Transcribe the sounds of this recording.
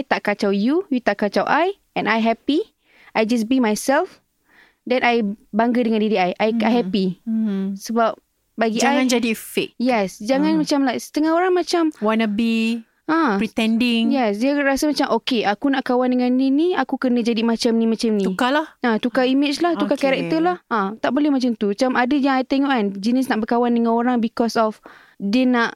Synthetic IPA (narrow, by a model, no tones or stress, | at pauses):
jt̪aʔkat͡ʃawjujut̪aʔkat͡ʃawʔaj | ɛ̃najɦɛpi | ajd͡ʒas̬bimajsɛlf | dɛ̃najbaŋɡədəŋãndidiajʔajajɦɛpi | səbap̚ | baɡid͡ʒajãnd͡ʒadifek̚jɛsd͡ʒaŋãnmat͡ʃamlajsə̥t̪əŋahoɾaŋmãt͡ʃamwanəbi | ãpɾit̪ɛndɪŋjɛsdiəɾasəmat͡ʃamʔokeʔakunaʔkawandəŋãnːiniakukənə̃d͡ʒadimat͡ʃamnĩmãt͡ʃamniukalahãt̪ukaimet͡ʃlaht̪ukakaɾɛk̚t̪əlahãt̪aʔbolɛhmat͡ʃamt̪uat͡ʃamadəjaŋajt̪eŋɔʔkand͡ʒinis̬naʔbəkawandəŋãnoɾaŋbikɔsɔf | dənaʔ